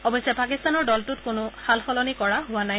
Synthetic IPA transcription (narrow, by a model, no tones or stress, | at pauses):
ɔbɔjsɛpakist̪anɔɹdɔltʊtkʊnʊxalxɔlɔnikɔɹaɦʊwanaj